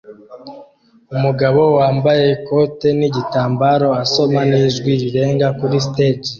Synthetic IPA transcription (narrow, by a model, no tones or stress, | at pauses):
umuɡaβo̞waːmbaje̞ko̞te̞niɟitaːmbaɾo̞aso̞maniːʒɡwiɾiɾe̞ːŋɡakuɾisted͡ʒi